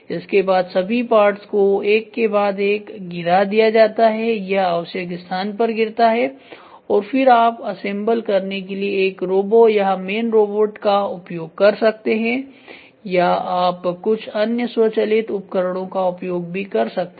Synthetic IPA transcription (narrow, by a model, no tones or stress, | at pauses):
ɪskebaːd̪sɐbʱipaːɾʈskoeːkːebaːd̪eːkɡɪɾad̪ijad͡ʒaːt̪aɦɛjɐɦɐːʊsjəɡɪst̪ʰaːnpɐɾɡɪɾt̪aɦɛ | ɔːɾfɪɾaːpɐsẽmbəlkɐɾnekelieːkɾoːboːjɐɦmeːnɾoːboːʈkaʊpjoːɡ̚kɐɾsɐk̚t̪eɦɛ̃ | jaaːpkʊt͡ʃʰɐnjəswot͡ʃɐlɪt̪ʊp̚kəɾəɽ̃õkaʊpjoːɡ̚bʱikɐɾsɐk̚t̪e